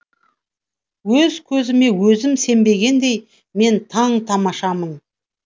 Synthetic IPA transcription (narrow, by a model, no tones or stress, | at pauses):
wɵzkʲʰɵzɪme̞wɵzɪmse̞mbe̞ɡʲe̞nd̪e̞j | me̞nt̪ʰɑɴt̪ʰɑmɑʃɑmən